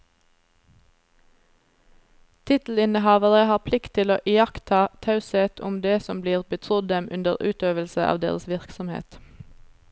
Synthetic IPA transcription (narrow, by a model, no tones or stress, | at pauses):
t̪ʰɪt̪l̩ɪnəhɑːʋəʁəhɑːʁpʰlɪkt̪ʰɪloːʔɪjɑkt̪ʰɑːt̪ʰɑʉsɛt̪ʰʊmd̪eːsɔmbliːʁbət̪ʰʁʊd̪̚d̪ɛmʔʉnd̪əʁʉːt̪øːʋəlsəʔɑ̰ːʋd̪ḛːʁəsʋɪʁksɔmhḛːt̪